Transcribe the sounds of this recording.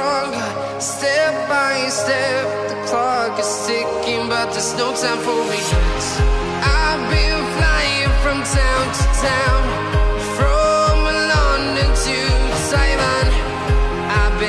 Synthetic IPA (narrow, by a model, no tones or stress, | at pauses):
ɔŋ | stɛp̚b̥aɪɪ̃ŋstɛf̚ðəkʰl̥ɔkɨz̥stɪkɪ̃ŋbʌt̪̚ðɨsnoʊtʰãʊ̃nfɔmi | ʔaɪbɪ̃nflaɪɪ̃ŋfɹʌ̃mtʰãʊ̃ntʰɨtʰãʊ̃n | fɹʌməlʌndɨtʰɨsaɪmən | aɪb